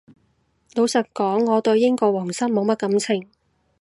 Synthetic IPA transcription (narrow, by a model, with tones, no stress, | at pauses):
lo˨˧wsɐ˨˩t̚kɔː˨˥ŋːɔː˨˧t̪ɵ˧ɥjɪ˥ŋkɔː˧wɔː˨˩ŋsɐ˥mmo˨˧wmɐ˥t̚kɐ˨˥mt͡sʰɪ˨˩ŋ